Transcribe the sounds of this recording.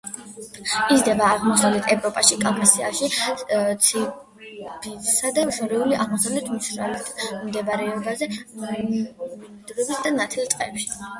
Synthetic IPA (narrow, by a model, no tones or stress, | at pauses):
izd̪ɛbaːʁmɔsawlɛt̪ʰɛvɾɔpʼaʃikʼaŋkʼasiaʃit̪sʰi | bitsad̪aʃɔɾiuliʔaʁmɔsawlɛt̪ʰmisɾa̰lɛt̪ʰmd̪ɛvaɾɛɔbazɛ | d̪̥ɡɛbisd̪anat̪ʰɛlˠt̪ʼqʼɛ̰pʃi̥